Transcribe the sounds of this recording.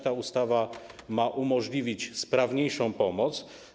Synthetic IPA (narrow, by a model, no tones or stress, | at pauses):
t̪aust̪avamaʔumɔʐlʲivʲit͡ɕspɾavɲejʂɔ̃w̃pɔmɔt̪s